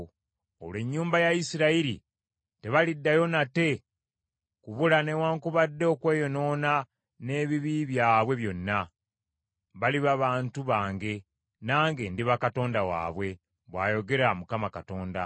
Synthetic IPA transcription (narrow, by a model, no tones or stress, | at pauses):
o̰lwe̞ɲːuːmbajaisiɾaiɾḭ | te̞βalidːajo̞nate̞ | kuβulane̞waːŋkuβadːe̞okwe̞ːjo̞no̞ːna | ne̞ːβiβiβjaːβwe̞βjo̞nːa | βaliβaβaːntuβaːŋɡe̞ | naːŋɡe̞ndiβakato̞ːndawa̰ːβwe̞ | βwaːjo̞ɡe̞ɾamukamakato̞ːnda̰